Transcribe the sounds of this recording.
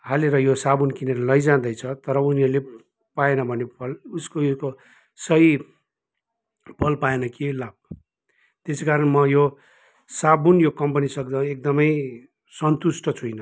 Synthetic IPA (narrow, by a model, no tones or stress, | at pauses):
haleɾʌjosabunkineɾʌlʌjd͡zãd̪ʌjt͡sʰʌt̪ʌɾʌuniʌle | paenʌbʱʌnepʰʌluskoko | sʌji | pʰʌlpaenʌkelab̚ | t̪esekaɾʌnmʌjo | sabunjokʌmpʌnisʌkd̪ãek̚d̪ʌmʌj | sʌnt̪usʈʌt͡sʰujnʌ